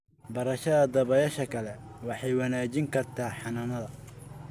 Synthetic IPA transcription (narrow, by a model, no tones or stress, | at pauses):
bɐɾɐʃɐðɐd̪ɐβɐjɐʃɐkʰɐlɛwɑħɑjwɑnaːt͡ʃɪŋkʰɐrt̪ʰaːħɑnɐnɐðɐ